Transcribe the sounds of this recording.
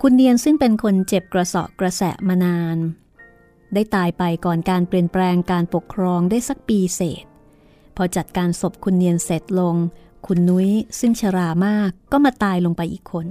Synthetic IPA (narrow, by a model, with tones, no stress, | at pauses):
kʰu˧nːi˧ənsɯ˥˩ŋpe˧nkʰo˧nt͡ɕe˨˩p̚kɾa˧sɔ̰˨˩ʔkɾa˧sɛ̰˨˩maː˧naː˧n | daː˥˩jt̪aː˧jpa˧jkɔː˨˩nkaː˧npɾi˨˩ənplɛː˧ŋkaː˧npo˨˩kʰːɾɔː˧ŋda˥˩jsa˨˩k̚piː˧sḛː˨˩t̪̚ | pʰɔː˧t͡ɕa˨˩t̪̚kaː˧nso˨˩p̚kʰu˧nːi˧ənse˨˩t̪̚lo˧ŋ | kʰu˧nːu˦˥jsɯ˥˩ŋt͡ɕʰa˧ɾaː˧maː˥˩kːɔː˥˩maː˧t̪aː˧jlo˧ŋpa˧jʔiː˨˩kʰːo˧n